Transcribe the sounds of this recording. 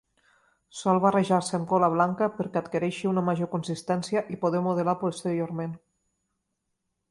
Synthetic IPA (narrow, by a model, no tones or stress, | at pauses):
sɔlˠβareʒaɾsəːmkoləβ̞laŋkəpəɾkət̪keɾeʃiunəmaʒokunsist̪ɛnsjəʔipoð̞emoð̞əlapost̪əɾioɾmen